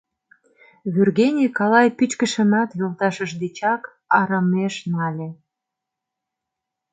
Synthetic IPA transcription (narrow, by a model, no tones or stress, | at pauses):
βyrɣenʲikɑlɑjpyt͡ɕkəʃə̆nɑt̪jolt̪ɑʃəʃd̪et͡ɕɑk | ɑɾəmeʃnɑlʲe